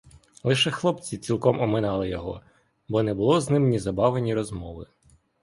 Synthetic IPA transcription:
lˠɪʃɛxlˠɔpt͡sʲit͡sʲilˠkɔmɔmɪnɑlˠɪjɔɦɔ̰ | bɔnɛbʊlˠɔznɪmnʲizɐbɑʋenʲiɾɔzmɔʋɪ

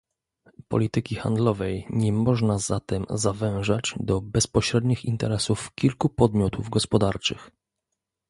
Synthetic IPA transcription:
pɔ̰lʲit̪ɘkʲixa̰nd̪lɔvɛjɲɛmɔʐnazat̪ɛmzavɛ̃w̃ʐad͡ʑd̪ɔbɛspɔɕɾɛd̪ɲixint̪ɛɾɛsufkʲilkupɔd̪mʲjɔt̪uvɡɔspɔd̪aɾt͡ʂɘ̰x

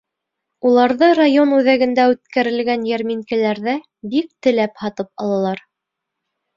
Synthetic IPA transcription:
ulˠɑɾðɤrajonʉðæɡɘ̆nd̪æʉt̪kæɾɘ̆lɡænjæɾmiŋkɘ̆læɾðæ | bik̚t̪ɘ̆læphɑt̪ɤpɑ̰lˠɑlˠɑɾ

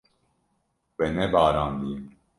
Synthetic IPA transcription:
wɛnɛbaːɾaːnd̪im

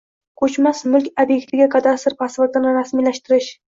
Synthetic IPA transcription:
kʰɵt͡ʃmasmʊlˠkʲobje̞k̚ʲt̪ʰɪɡʲakʰad̪ast̪ɪɾpʰasvat̪ɪnɪɾasmijlaʃt̪ɪɾɪʃ

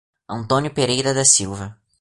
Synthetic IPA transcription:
ɐ̃nt̪õnjʊpeɾejɾɐd̪ɐsiwvɐ

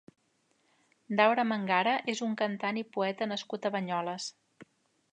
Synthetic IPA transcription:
d̪awɾəməŋɡaɾəʔezuŋkənt̪anipuɛt̪ənəskut̪əβəɲɔləs

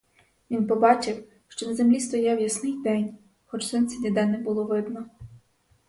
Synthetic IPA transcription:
ʋʲinpɔbɑt͡ʃɪw | ʃt͡ʃɔnɐzemlʲist̪ɔjɛwjɐsnɪjd̪ɛnʲ | xɔt͡ʃsɪnt̪t͡sʲɛdʲid̪ɛnɛbʊlˠɔʋɪd̪nɔ

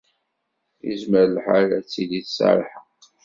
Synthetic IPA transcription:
jə̰zməɾlħaɾæt͡sːiliθsa̰ɾˤħə

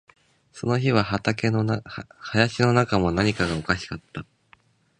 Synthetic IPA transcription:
so̞no̞çiβaɦat̪akenhajaɕino̞nakamo̞naɲ̟ikaɡao̞kaɕi̥kat̪ːa

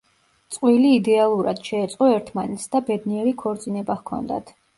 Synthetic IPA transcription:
t̪sʼqʼwiliːd̪ɛalˠuɾad̪̥ʃɛːt̪sʼqʼɔɛɾt̪ʰmanɛt̪sd̪abɛd̪niɛɾikʰɔɾt̪sʼinɛbahkʰɔ̰nd̪a̰t̪ʰ

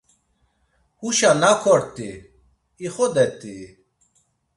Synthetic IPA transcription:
huʃanakʰɔɽt̪ʼi | iχɔd̪ɛt̪ʼi

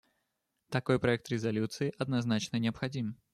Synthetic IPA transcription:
t̪ɐko̞jpɾɐɛk̚t̪ɾʲɪzɐlʲut̪sɨɪʔɐd̪nɐznat͡ɕnənʲɪɐpxɐdʲim

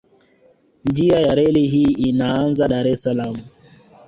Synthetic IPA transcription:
nd͡ʒiajaɾɛliɦiːʔinaanzaɗaɾɛsalamu

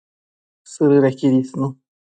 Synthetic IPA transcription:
sɨɾɨɾakʲiɾʲisnu

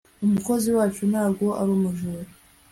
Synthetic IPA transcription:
umukoziwaːt͡ʃonaːɡʷoʔaɾumuʒuɾo

